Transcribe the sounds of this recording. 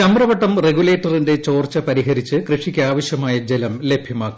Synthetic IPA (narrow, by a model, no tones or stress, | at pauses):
ɐmbrɐʋɐʈːɐmreɡule̞ːʈːɐrinde̞t͡ɕo̞ːrt͡ɕɐpɐɾiɦɐɾit͡ɕːɨkrɨʂikʲːaːʋɐɕjɐmaːjɐd͡ʑelɐmle̞bʱjɐmaːkːu